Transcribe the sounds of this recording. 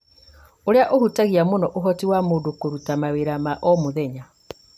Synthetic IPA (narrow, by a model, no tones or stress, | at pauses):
oɾeaʔohutaɣiamonɔʔoɦɔtiwamoːdokoɾutamaweɾamaʔɔmoðɛɲa